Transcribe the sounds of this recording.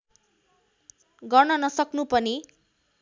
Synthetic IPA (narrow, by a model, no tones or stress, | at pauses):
ɡʌrnʌnʌsʌknupʌni